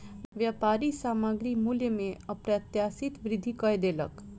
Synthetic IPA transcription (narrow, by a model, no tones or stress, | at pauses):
ʋjapaɾisamaɡɾimuljəmẽəpɾat̪jasit̪ʋɾɪd̪ʱːikəjd̪elə̰k